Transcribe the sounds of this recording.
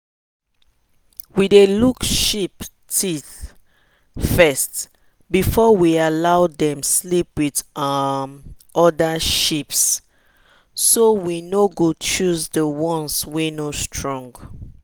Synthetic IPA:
widelukʃip | tʰiθ | fɛst | bifɔwialaʊdɛ̃mslip̚widmɔdaʃips | sowinoɡut͡ʃusdəwɔ̃nswinostʰɹɔ̃ŋɡ

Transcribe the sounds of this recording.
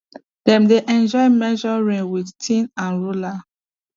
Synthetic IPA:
d̥ɛ̃mdeʔɛ̃nd͡ʒɔjmɛd͡ʒɔɹĩŋwidtʰĩnãnɹula

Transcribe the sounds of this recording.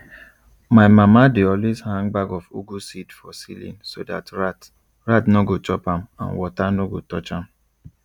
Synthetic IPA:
maɪmamadeɔlwezhãŋbaɡɔfṵɡusidfɔsḭlḭ̃nsoda̰tɹat | ɹatnɔɡot͡ʃɔpãmã̰nwɔtanoɡotɔt͡ʃãm

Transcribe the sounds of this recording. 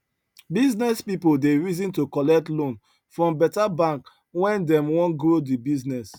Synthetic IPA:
biznɛspipodeɹizĩntokɔlɛk̚tlõn | fɹɔ̃mbɛtabãŋk | wɛ̃ndɛ̃mwɔ̃nɡɹodibiznɛs

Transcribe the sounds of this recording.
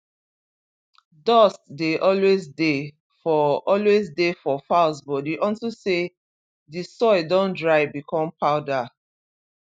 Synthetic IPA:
dɔstdeʔɔlwezde | fɔɔlwezdefɔfaʊsbɔtdeʔɔ̃ntuse | disɔɪdõndɹaɪbikʰɔ̃mpʰaʊda

